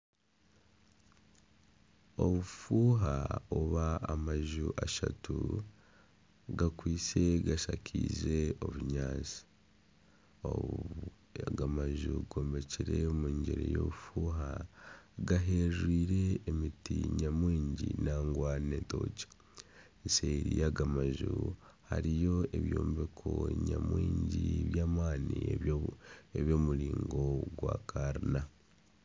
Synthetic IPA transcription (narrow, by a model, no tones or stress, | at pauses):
o̞βufuːɦa̰oβaːmaʒuʔaʃatu | ɡakwiːt͡se̞ɡaʃacʰḭze̞o̞βuɲaːt͡si̥ | o̰ | ɡamaʒuɡo̞ːmbe̞ciɾe̞muːɲɟeɾḛjo̰βufuːɦa | ɡaɦeʒwiːɾe̞ːmitiɲamwiːɲɟinaŋɡwaːneto̞̰cḁ | iseɾijaɡamaʒu | haɾijo̞e̞βjo̰ːmbekʰoɲa̰mwiːɲɟiiβjaːmaːnie | eβjo̞ːmuɾiːŋɡo̞ɡwa̰ːkʰaɾina